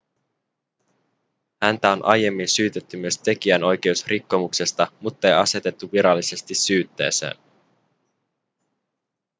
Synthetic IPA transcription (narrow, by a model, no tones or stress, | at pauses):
hænt̪æo̞nʔɑ̰je̞mːinsyːt̪e̞t̪ːymyøst̪e̞kiæno̞jk̟e̞usrʔikːo̞mukse̞st̪ɑmut̪ːɑejɑse̞t̪e̞t̪ːuʋiɾɑlːise̞st̪isyːt̪ːe̞̰ːsḛːn